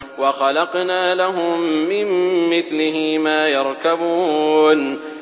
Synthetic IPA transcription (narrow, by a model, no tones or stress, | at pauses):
wɑxɑlɑqnaːlaɦʊmːɪmːɪθlɪɦɪmaːjɑɾˤkabuːn